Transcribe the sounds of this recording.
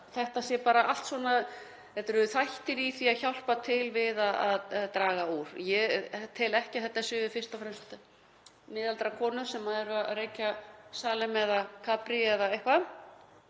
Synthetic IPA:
θɛht̪asjɛpaːɾaʔal̥t̪svwɔːna | ɛt̪ɛɾʏθajht̪ɪɾiθiaçawl̥pat̪ʰɪlvɪðaðaððt̪ɾaːɣauɾ̥jɛt̪ʰɪlɛhcɪθɛht̪ːasʏfɪ̥st̪ɔfɾɛmst̪ | mɪðalt̪ɾakʰɔːnʏsɛmːaðɛɾʏaɾeːjcasaːlɛmɛðakʰaːpɾiɛðaejhkva

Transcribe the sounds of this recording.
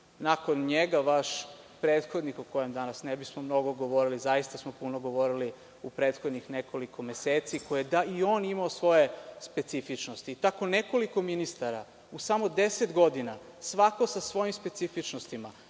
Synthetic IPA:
nakonɲeɡaʋaʃ | pɾeːt̪xod̪nixuko̞jemd̪anasnebismomno̞ɡo̞ɡo̞ʋo̞ɾilizajist̪asmopunoɡo̞ʋo̞ɾili | upɾe̞ːt̪xod̪ɲixnekolikʰo̞me̞seːt̪sikojed̪aio̞ːnimaosʋo̞je̞spe̞t̪sifit͡ʃnost̪iːt̪ako̞neko̞liko̞minist̪aɾa | usamo̞d̪e̞set̪ɡo̞d̪ina | sʋako̞sasʋo̞jimspe̞t̪sifit͡ʃnost̪ima

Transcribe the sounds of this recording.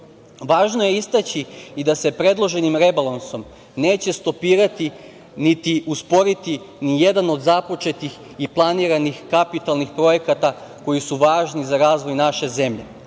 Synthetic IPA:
ʋaːʒnoje̞ist̪at͡ɕiid̪ase̞pɾe̞d̪lˠo̞ʒe̞nimɾe̞balˠanso̞m | neːt͡ɕe̞st̪o̞piːɾat̪i | nit̪iuspo̞ɾit̪i | nije̞d̪ano̞d̪zapo̞t͡ʃe̞t̪ix | iplˠaniɾanixkapit̪alˠnixpɾo̞je̞kat̪a | ko̞jisuʋaːʒnizaɾaːzʋo̞jnaʃe̞ze̞mʎe̞

